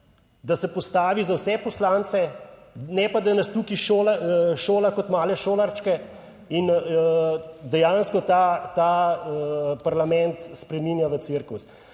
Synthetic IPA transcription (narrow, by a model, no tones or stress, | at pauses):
d̪asɛpɔst̪aːʋizawsɛpɔslaːnt̪sɛnɛpad̪anast̪ukiʃoːlaʃoːlakɔt̪maːlɛʃoːlaɾt͡ʃkɛ | inəd̪ɛjanskɔt̪at̪a | paɾlamɛnt̪spɾɛminjaʋət̪siɾkus